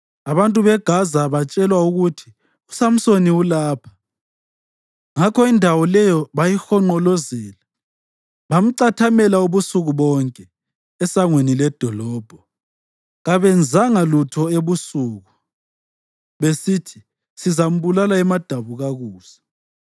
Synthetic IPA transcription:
aβantʼuβɛɡ̥ʱazaβat͡ʃʼɛlwauɣutʰi̥ | usam̩soniulaːpʰḁ | ŋakʰɔindʱawɔlɛjɔβajixɔŋ͡ǃɔlɔzɛːla | βam̩ǀatʰamɛlauβusuɣuβɔŋkʼɛ | ɛsaŋwenilɛd̥ʱɔlɔːb̥ʱɔ | ɣaβɛnd͡zʱaŋalutʰɔeβusuːɣu | βesitʰi | sizam̩βulalaɛmad̥ʱaβuɣaɣuːsḁ

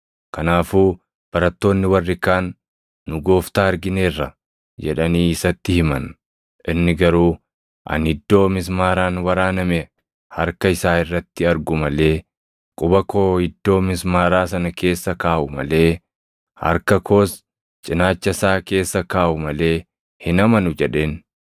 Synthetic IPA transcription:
kɐnaːfuː | b̥ɐɾɐt̪ːo̞ːnːɪwɐrːɪkaːnː | ʊɡo̞ːft̪aːɐɾɡɪneːrːɐ | d͡ʒɛᶑɐniːɪsɐt̪ːɪhɪmɐ̰n | ʔɪnːɪɡɐɾuː | ʔɐ̰nhɪd̪ːo̞ːmɪs̬maːɾaːnwɐɾaːnɐmɛ | hɐɾkɐɪsaːɪrːɐt̪ːɪɐɾɡʊmɐle̞ː | kʼʊbɐko̞ːhɪd̪ːo̞ːmɪsmaːɾaːsɐnɐke̞ːsːɐkaːʔʊmɐ̰le̞ː | hɐ̰ɾkɐkʰo̞ːs | t͡ʃʼɪnaːt͡ʃːɐsaːke̞ːsːɐkaːʔʊmɐle̞ː | hɪnɐmɐnʊd͡ʒɛᶑe̞ːn

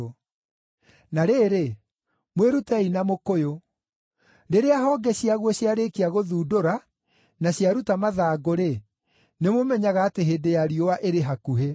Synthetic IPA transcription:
naɾeːɾe | mweɾutɛinamokojo | ɾeɾeaɦɔːɡɛɕiaɣwɔɕjaɾekiaɣoðuːdoɾa | naɕiaɾutamaðaːɡoɾe | nemomɛɲaɣaːteɦeːdejaɾiowaʔeɾeɦakuɦe

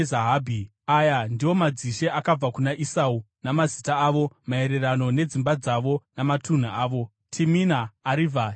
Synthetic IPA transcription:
zaɦaːbʱi | ajandiwo̞mad͡ziʃe̞ʔakab͡vakunaʔisau | namazitaːʋo̞mae̞ɾe̞rano̞ne̞d͡zimbad͡zaʋo̞namatʰun̤uaːʋo̞ | tʰiminaːɾivʱa

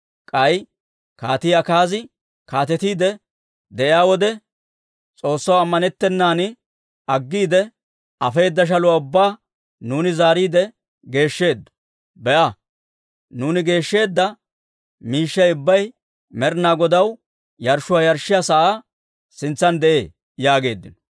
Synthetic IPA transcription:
kʼɐj | kaːt̪ɪjakaːzɪ | kaːt̪ɛt̪iːd̪ɛ | d̪ɛʔɪaːwɔd̪ɛ | t͡sʼo̞ːsːɐwɐmːɐnɛt̪ːɛnːaːnɪ | ɐɡːiːd̪ɛ | ɐfe̞ːd̪ːɐʃ̬ɐlʊwaʊbːaː | nuːnɪzaːɾiːd̪ɛ | ɡe̞ːʃːe̞ːd̪ːɐ̥ | bɛʔɐ | nuːnɪɡe̞ːʃːe̞ːd̪ːɐ | miːʃːɐjʊbːɐj | mɛɾnaːɡɔd̪ɐw | jɐɾʃʊaːjɐɾʃːɪjasɐʔaː | sɪnt͡sːɐnd̪ɛʔe̞̰ː | jaːɡe̞̰ːd̪ːɪnɔ̥

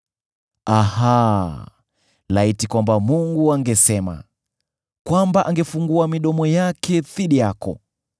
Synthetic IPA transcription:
aha | laitikwambamuŋɡuaŋɡɛsɛma̰ | kwambaʔaŋɡɛfuŋɡuamiɗɔmɔjakʰɛθiɗijakɔ̰

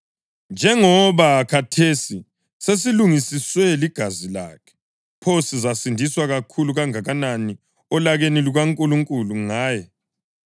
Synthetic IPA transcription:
nd͡ʒʱɛŋɔβakʰatʰesi | sesiluŋisiswɛliɡ̥ʱazila̰kʰɛ̥ | pʰosizasindʱiswaɣakʰuluɣaŋaɣanani | ɔlaɣeniluɣaŋkʼuluŋkʼuluŋaːjɛ

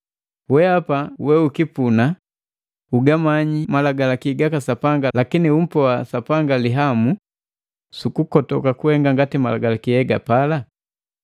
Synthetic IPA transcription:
wɛapawɛukipuna | uɡamaɲimalaɡalakiɡakasapaŋɡalakinium̩pɔasapaŋɡaliɦamu | sukukɔtɔkakuɛŋɡaŋɡatimalaɡalakijɛɡa̰pala

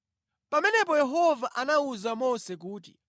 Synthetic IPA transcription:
pamɛnɛp̬ɔjɛɦɔvaʔanauzamɔsɛk̬uːti

